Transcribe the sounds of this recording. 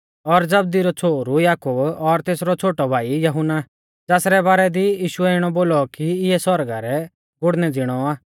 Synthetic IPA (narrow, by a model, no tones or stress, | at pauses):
ɔɾd͡zɐb̚d̪iɾɔt͡sʰoːɾujaːkʊbɔɾt̪eːsɾɔt͡sʰoːʈɔbʱaːijɐɦʊna | d͡zaːsɾɛbaːɾɛd̪ijiːʃʊɛɪɽ̃ɔboːlɔkiɪɛsɔɾɡaɾɛ | ɡʊɽnɛd͡zɪɽ̃ɔaː